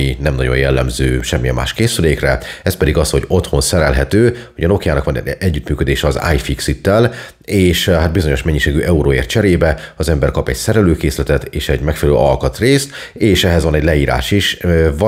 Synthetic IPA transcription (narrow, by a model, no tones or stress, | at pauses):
inɛmnɒ̰o̞̰jɛlːɛ̰mzøːʃɛmːijɛ̰mːa̰ːʃkeːsyleːkrɛɛspɛd̪iɡɒsho̞ɟo̞t̪ho̞nsɛɾɛlɦɛt̪øːhoɟɒno̞kjaːnɒkʋɒnɛɛɟːyt̪myːkød̪eːʃɛɒza̰ːjfiksit̪ːɛl | eːʃhat̪̚bizo̞ɲo̞ʃmɛɲːiʃeːɡyʔɛuɾoḛːrt̪t͡ʃɛɾeːbɛɒzɛmbɛrkɒpɛɟsɛɾɛløːkeːslɛt̪ɛt̪eːʃɛɟmɛkfɛlɛlø̰ːɒlkɒt̪reːst̪ | eːʃɛɦɛzʋɒnɛɟlɛiːɾa̰ːʃiʃvɒ